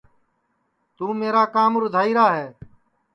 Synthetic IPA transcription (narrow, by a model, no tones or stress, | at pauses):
t̪uːmeːɾaːkaːmɾʊd̪ʱaːiːɾaːɦɛː